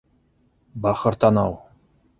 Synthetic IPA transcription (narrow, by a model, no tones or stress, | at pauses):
bɑχɤ̆ɾt̪ɑnɑw